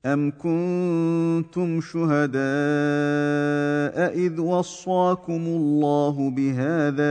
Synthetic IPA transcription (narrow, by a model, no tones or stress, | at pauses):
ʔamkʊn | t̪ʊmʃʊɦad̪aː | ʔaʔɪðwɑsˤːɑːkʊmʊlˤːɑːɦʊbɪɦaːðaː